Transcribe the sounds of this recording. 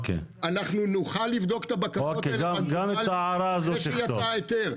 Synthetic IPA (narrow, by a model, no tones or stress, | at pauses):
kḛ | anaχnunuχalːivd̪o̞ke̥t̪abakaokeɡaɡamet̪aaɾaːzotejatoajet̪eʁ